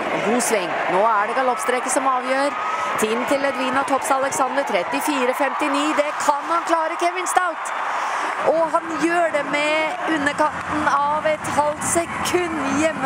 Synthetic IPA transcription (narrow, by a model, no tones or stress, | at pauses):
ɡuːsʋɛŋː | noːæɖɛɡɑlɔpst̪ɾɛkəsɔmɑːʋjøːɾ | t̪ʰiːmnt̪ʰɪlːɛd̪ʋiːnɑt̪ʰɔpsɑləksɑnd̪əɾt̪ʰɾɛt̪ːɪfiːɾəfɛmt̪ɪniːd̪ɛkʰɑnhɑnkʰlɑːɾəkʰɛʋɪnst̪ɑlt̪ | ʔɔɦɑnjøːɖɛmɛʉnːəkɑnt̪n̩ɑʋɛt̪hɑlt̪sɛkʰʉnːjɛmːə